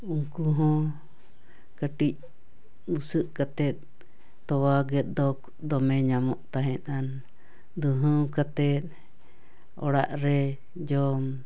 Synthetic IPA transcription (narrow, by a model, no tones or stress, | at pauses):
uŋkuɦɔ̃ | kəʈic̚ | usəʔkat̪ɛt̪̚ː | ɔwaɡɛt̪̚d̪ɔk | d̪ɔmɛɲamɔʔt̪aɦɛt̪an | d̪uɦəwkat̪ɛt̪̚ | ɔ̰ɽa̰ʔɾɛ | d͡ʒɔm